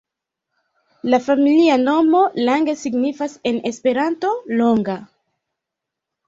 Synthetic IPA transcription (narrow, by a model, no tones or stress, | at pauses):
lafamiliano̞mo̞laŋɡe̞siɡnifase̞ne̞spe̞ɾanto̞lo̞ŋɡa